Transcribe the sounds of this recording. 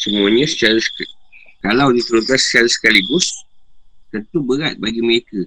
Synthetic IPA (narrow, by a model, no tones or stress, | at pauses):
səmuaɲãsə̥t͡ʃaɾəsə̥kkalawnit̪əɾut̪asə̥t͡ʃaɾəsə̥kaliɡʊs | t̪ənt̪ubəɾat̪̚baɡiməɾekə